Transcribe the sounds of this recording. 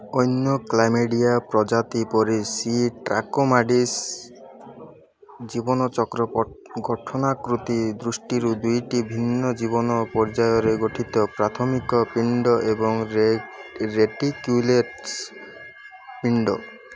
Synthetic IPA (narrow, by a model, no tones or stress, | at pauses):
ɔjnːjɔklajmeɖijapɾɔd͡ʒat̪ipɔɾesiʈɾa̰komaɖis | d͡ʒibɔnɔt͡ʃɔkɾɔ | ɡɔʈʰɔnakɾut̪id̪ɾusʈiɾud̪ujʈibʱinːɔd͡ʒibɔnɔpɔɾd͡ʒajɔɾeɡoʈʰit̪ɔpɾat̪ʰɔmikɔpiɳɖɔʔebɔŋ | ɾeʈikjuleʈ | piɳɖɔ